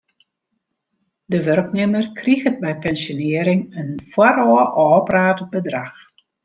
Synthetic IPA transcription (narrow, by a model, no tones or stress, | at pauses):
dəʋørknɪmərkʰriɣət̚bɛjpɛnsjonɪəɾɪŋənfwaɾɔəʔɔɔpraːtəbədrax